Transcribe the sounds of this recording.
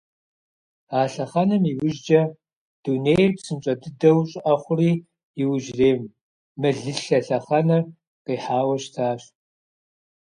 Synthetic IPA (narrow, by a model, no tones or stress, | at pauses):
aːɬɐχɐnɐmiwʊʒd͡ʒɐ | d̥uneːjrpsɨmɕʼɐdɨdɐwɕʼɐχʷʊriː | ɪwʊʒreːm | mɨɮɨɬɐɬɐχɐnɐr | qiːħaːwɐɕtʰaːɕ